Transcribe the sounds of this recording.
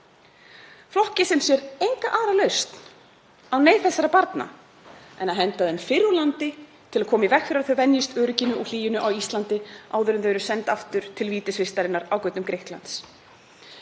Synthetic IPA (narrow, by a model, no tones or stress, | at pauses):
flɔhcɪsɛmsjɛɾejŋkaʔaːɾalœɥst̪n | awneːjθɛsːaɾapaɾt̪na̰ | ɛnaðɦɛnt̪aðɛnfɪɾʏlant̪ɪ | t̪ʰɪlakʰɔːmaivɛxfɪɾaɾθœɥvɛnjɪst̪œːɾʏcɪnʏɔl̥iːjɪnʏʔawist̪lant̪ɪaːwðʏɾʏmθœɥɾʏsɛnt̪aft̪ʏɾ̥t̪ʰɪlviːt̪ɪsvɪst̪aɾɪnːaɾawkœɥt̪nʏmkɾehkla̰nt̪s